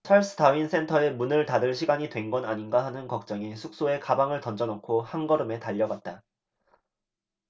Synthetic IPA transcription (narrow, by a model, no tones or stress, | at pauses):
t͡ɕʰaɭs͈ʰɯ̥taɥinsʰe̞ntʰʌe̞munɯɭtadɯɭɕʰiɡaɲitwe̞nɡʌnaɲinɡaɦanɯnkʌk̚t͡ɕ͈ʌŋisʰuk̚s͈oe̞kabaŋɯɭtʌnd͡ʑʌnokʰohaŋɡʌɾɯme̞taʎːʌɡwat̚t͈a